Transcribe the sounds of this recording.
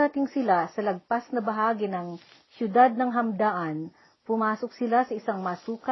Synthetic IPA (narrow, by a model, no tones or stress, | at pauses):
ɐt̪ɪŋsɪlasɐlɐɡ̚pasnɐbɐɦaːɡɪnɐŋ | ʃjʊd̪ad̪̚nɐŋɦɐmd̪aːʔɐn | pʊmaːsok̚sɪlasɐʔɪsaŋmɐːsuːkɐ